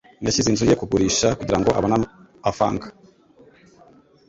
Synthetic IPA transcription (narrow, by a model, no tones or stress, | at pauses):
naʃizinzujekuɡuɾiʃakuɟiɾaŋɡo̞ʔa̰βana | afa̰ːŋɡḁ